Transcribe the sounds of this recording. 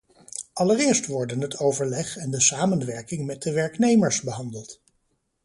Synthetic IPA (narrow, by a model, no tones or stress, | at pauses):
ʔɑlərɪːɹstʋɔɹdənɦətʰowvəɹlɛχɛndəsaːmənʋɛɹkɪŋmɛt̚dəʋɛɹknejməɹsbəɦɑndəlˠt